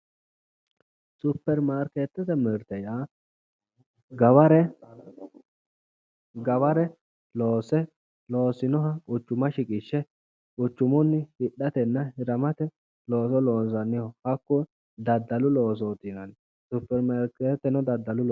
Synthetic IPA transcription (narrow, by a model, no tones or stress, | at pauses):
sʊpːɛɾmaːɾket̪ːɛt̪ɛmɛɾt̪ɛja | ɡɐwɐɾɛ | ɡɐwɐɾɛ | lo̞ːsɛ | lo̞ːsɪnɔɦɐkʊt͡ʃːʊmɐʃɪkʼɪʃːɛ | kʊt͡ʃːʊmɔnːɪhɪɗːɐt̪ɛnːɐhɪɾɐmɐt̪ɛ | loːsɔlo̞ːns̬ɐnːɪhɔhɐkːʊ | d̪ɐd̪ːɐlʊlo̞ːs̬oːt̪ɪnɐn | sʊpːɛɾmaɾkeːt̪ːɛnɔd̪ɐd̪ːɐlʊl